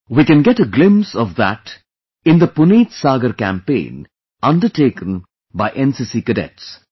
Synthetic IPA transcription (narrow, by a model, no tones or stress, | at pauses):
wiːkɨ̃nɡɛʈəɡlɪ̃msɔʋðæ̰ʈ | ɪ̃nd̪əpʊniːtsaːɡəɾkæ̰̃mpḛ̃ːn | ʌ̃nɖəɾʈeːkə̃n | baɪʔɛ̃nsisikəɖɛ̰ts